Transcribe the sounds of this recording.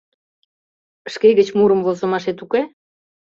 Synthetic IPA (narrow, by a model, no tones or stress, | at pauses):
əʃkeɣət͡ɕmuɾəmvozə̆mɑʃet̪uke